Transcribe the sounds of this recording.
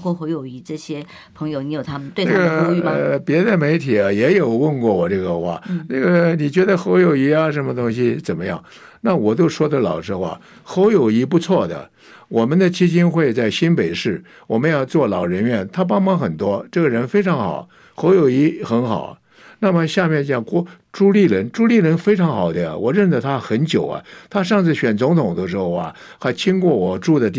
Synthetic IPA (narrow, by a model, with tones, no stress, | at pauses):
kʰɔ˥xo˧˥ʊjo˨˩ʊi˧˥ʈ͡ʂɤ˥˩ɕjɛ˥ | pʰɤ˧˥ŋjo˧ʊni˧˥jo˨˩t̪ʰa˥mə˨nt̪we˥˧˩na˥˩ɡə˩˥y˥˧pjɛ˧˥d̪ə˧me˧˥ɪt̪ʰi˨˩ɐ˦jɛ˧˥jo˨˩ʊwə˥˧nkwɔ˥˩wɔ˨˩ʈ͡ʂɤ˥˩ɡə˩xwa̰˥˩na˥˩ɡə˩ni˨˩t͡ɕɥɛ˧˥d̪ə˧xo˧˥ʊjo˨˩ʊi˧˥ɐ˧ʂə˧˥nmə˧t̪ʊ˥ŋɕi˨t͡sə˨˩nmə˦jɑ̰˥˩ŋ | na˥˩wɔ˨˩t̪jo˥˧ʊʂwɔ˥d̪ə˨lɑ˨˩ʊʂɻ̩˥xwa̰˥˩ | xo˧˥ʊjo˨˩ʊi˧˥pu˧˥t͡sʰwɔ˥˩d̪ə̰˩ | wɔ˨˩mə˦nd̪ə˨t͡ɕʰi˥t͡ɕi˥nxwe˥˧ɪt͡sa˥˩ɪɕi˥npe˨˩ɪʂɻ̩˥˩ | wɔ˨˩mə˦njɑ˥˧t͡swɔ˥˩lɑ˨˩ʊɻə˧˥nɥɛ˥˩nt̪ʰa˥p̬ɑ˥ŋmɑ˥ŋxə˨˩nt̪wɔ˥ʈ͡ʂɤ˥˩ɡə˩ɻə˧˥nfe˥ɪʈ͡ʂʰɑ˧˥ŋxɑ̰˨˩ʊ | xo˧˥ʊjo˨˩ʊi˧˥xə˧˥nxɑ̰˨˩˦ʊ | na˥˩mə˩ɕja˥˧mjɛ˥˩nt͡ɕjɑ˨˩ŋkɔ˥ | ʈ͡ʂu˥li˥˩ɻə˧˥nʈ͡ʂu˥li˥˩ɻə˧˥nfe˥ɪʈ͡ʂʰɑ˧˥ŋxɑ˨˩ʊd̪ə̰˦˨wɔ̰˨˩ɻə˥˩nd͡zə˧˩t̪ʰa˥xə˧˥nt͡ɕjo˨˩ʊɐ̰˦t̪ʰa˥ʂɑ˥˧ŋt͡sɹ̩˥˩ɕɥɛ˨˩nt͡sʊ˧˥ŋt̪ʰʊ˨˩ŋd̪ə˧ʂɻ̩˥xo˥˧˩ʊɐ̰˩ | xa˧˥ɪt͡ɕʰi˥ŋkwɔ˥˩wɔ˨˩ʈ͡ʂu˥˩d̪ə˩t̪i˥˧